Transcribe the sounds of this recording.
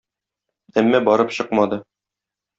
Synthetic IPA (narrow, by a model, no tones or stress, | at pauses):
æmːæbɒɾɤpɕɤqmɑd̪ɤ